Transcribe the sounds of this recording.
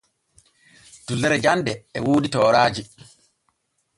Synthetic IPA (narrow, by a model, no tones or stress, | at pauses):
d̥ulːɛɾɛd͡ʒandɛɛwoːditɔːɾaːd͡ʒi